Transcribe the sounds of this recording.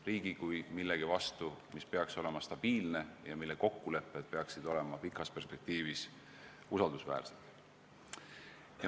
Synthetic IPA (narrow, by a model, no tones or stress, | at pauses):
riːɡ̥ikujmilːe̞ɡ̥ivɑst̪umispe̞ɑkso̞le̞mɑst̪ɑb̥iːlne̞jɑmilːe̞ko̞kːule̞pːˑed̪̥̚pe̞ɑksid̪̥o̞le̞mɑpikːˑɑspe̞rspe̞k̚t̪iːvis | usɑld̪̥usvæ̰ːrset̪ | j